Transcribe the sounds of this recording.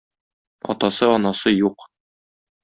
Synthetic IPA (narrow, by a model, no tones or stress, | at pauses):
ɒ̰t̪ɑsɤɒnɑsɤjuq